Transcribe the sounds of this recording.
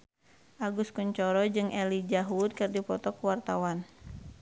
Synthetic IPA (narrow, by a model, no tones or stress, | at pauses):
ʔaɡuskuɲt͡ʃɔɾɔd͡ʒɨŋʔɛlid͡ʒaɦud̪̚kɨrdipɔt̪ɔkuwart̪awan